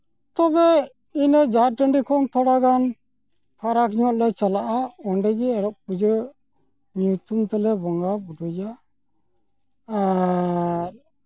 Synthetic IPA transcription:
t̪ɔbɛ | inəd͡ʒaɾʈəɳɖikʰɔnt̪ʰɔɽaɡan | pʰaɾakɲɔt̪̚lɛt͡ʃalaʔaɔɳɖɛɡɛɛɾɔk̚ud͡ʒə | ɲut̪umt̪ɛlɛbɔŋɡabuɖuja | ɾ

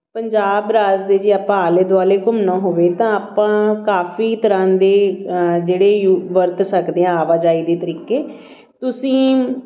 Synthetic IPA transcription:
pəɲd͡ʒaːbɾaːzd̪eːd͡ʒiːaːpãaːleːd̪ʊaːleːkʊmnãːɦoːʋeːt̪ãːaːpãːkaːfʰiːt̪əɾãːd̪eːd͡ʒeːɽeːjuʋəɾt̪səkd̪eːãːaːʋaːd͡ʒaːiːd̪eːt̪əɾiːkeː | t̪ʊsĩː

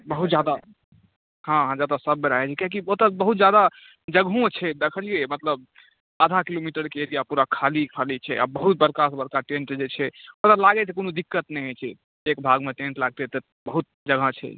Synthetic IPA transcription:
bəɦut̪̚d͡ʒjad̪a | hãɦãd͡ʒad̪asəbːeɾaɦɛt͡ʃʰɛkjãk̬iot̪əbəɦut̪̚d͡ʒjad̪a | d͡ʒəɡʱõt͡ʃʰɛd̪ekʰəliemət̪ləb̚ | ad̪ʱakilomiʈəɾkeeɾijapuɾakʰalikʰalit͡ʃʰɛ̰a̰bəɦut̪̚bəɾkasbəɾkaʈẽnʈd͡ʒet͡ʃʰɛot̪əlaɡɛt̪ekonod̪ikːət̪nɛɦɛt͡ʃʰɛ | ekbʱaɡmeʈẽɳʈlaɡ̚t̪ɛt̪ə | bəɦut̪̚d͡ʒəɡʱə̃t͡ʃʰɛ̰

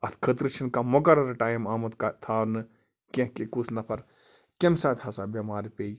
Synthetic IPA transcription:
ɐt̪ʰkʰət̪ɾɨt͡ʃʰinkamɐkɐɾɐɾɐʈaːjmaːmɐt̪kat̪ʰaːnɨ | kẽkekusnɐpʰɐɾ | kemsaːt̪ʰʲhɐsabɐmaːɾpeːj

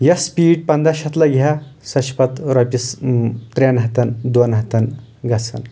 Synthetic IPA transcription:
jɐspiːɖ̚pɐnd̪aɕɐt̪lɐɡʱjasɐɕpɐt̪ɾɐpʲist̪ɾʲanɦɐt̪ɐnd̪onɦɐt̪ɐn | ɡɐt͡sʰɐ̰n

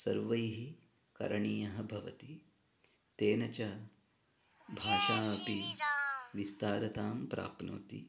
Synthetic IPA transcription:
sɐ̰ɾʋɐjɦikɐ̰ɾɐɳiːjɐɦɐ̆bʱɐʋɐt̪i | t̪eːnɐt͡ʃɐ | bʱaːʃaːɐpi | ʋist̪aːɾɐt̪aːmpɾa̰ːpno̰ːt̪ḭ

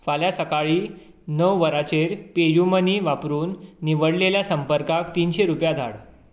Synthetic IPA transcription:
faljasəkaɭiː | nəʋʋəɾat͡ɕeɾpejuməniːʋapɾuːnːiʋəɽleljasəmpəɾkakt̪iːnɕeɾupjad̪ʱa̰ɽ

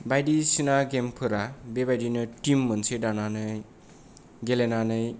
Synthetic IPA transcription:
bajɖisinaɡempʰɯɾabebajɖinʌʈimːʌnt͡sʰeɖananʌ | ɡelenanʌj

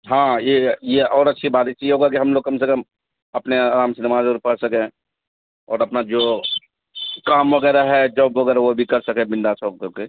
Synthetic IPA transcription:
ɦãːjejeɔːɾɐtːʃʰibaːt̪et͡ʃieɦoːɡakiɦɐmloːɡ̚kɐmsekəm | ɐpneaːɾaːmsenɐmaːzoɾpɐɽsɐkẽ | ɔːɾɐpnad͡ʒoː | kaːmʋɐɡɛːɾaɦɛd͡ʒɔːbʋɐɡɛːɾaʋobʱikɐɾsɐkẽbɪ̃nɖ̪asɔːb̚keke

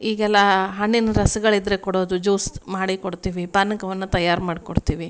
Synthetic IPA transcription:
iːɡɛlːɐɦɐɳːinɐɾɐsɐɡɐɭid̪ɾekoɽo̞ːd̪ud͡ʒuːsmaːɽikoɽt̪iːʋipaːnɐkɐʋɐnːut̪ɐjːaːɾmaːɽkoɽt̪iːʋi

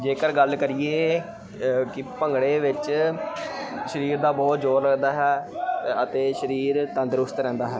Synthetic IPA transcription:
d͡ʒeːkəɾɡəlkəɾieː | kɪpəŋɡɽeːʋɪt͡ʃ | ʃəɾiːɾd̪aːbɔːt̪d͡ʒoːɾləɡd̪aːɦɛːət̪eːʃəɾiːɾt̪ə̃nd̪ɾʊst̪ɾɛ̃ːnd̪aːɦɛː

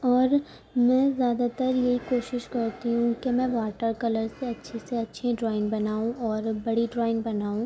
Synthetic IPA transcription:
ɔːɾ | mɛ̃ːzjaːd̪at̪əɾjeɦikoːʃɪʃkɐɾt̪iɦũkemɛ̃ʋaːʈəɾkɐləɾseɐtːʃʰeseɐtːʃʰeɖɾɔːɪnbɐnaːũɔːɾbɐɽiɖɾɔːɪ̃nbɐnaːũ

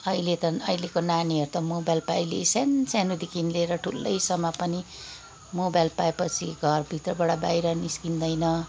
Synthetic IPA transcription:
ʌilet̪ʌʌjlekonaniʌɾut̪ʌmobajlpaʌjlḛsant͡sanud̪ikinleɾʌʈʰulːʌjsʌmːʌpʌni | mobajlpaepʌt͡sʰiɡʱʌrbʱit̪rʌbʌɽabajɾʌniskind̪ʌjnʌ

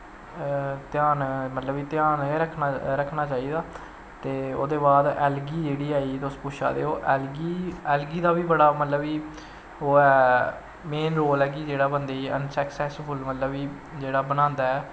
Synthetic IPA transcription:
t̪ɪjaːnmət̪ləbiːt̪jaːnːɾəkʰnaɾəkʰːnaːt͡ʃaːiːd̪aː | t̪eːo̰ːd̪eːbaːd̪ɛːlɡiːd͡ʒeːɽiːaːit̪ʊspʊʃa̰ːd̪ḛːoːʔɛːlɡiːɛːlɡiːd̪aːbiːbəɽaːmət̪ləbiː | ɦoːɛː | meːnɾoːlɛːɡiːd͡ʒeːɽaːbənd̪eːiːʔənsəksɛːsbəlmət̪ləbiː | d͡ʒeːɽaːbənãːnd̪aːɛː

